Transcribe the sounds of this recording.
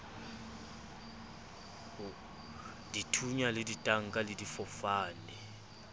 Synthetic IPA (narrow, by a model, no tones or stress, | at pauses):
ditʰuɲaleditʼaŋkʼaledifɔfaːnɛ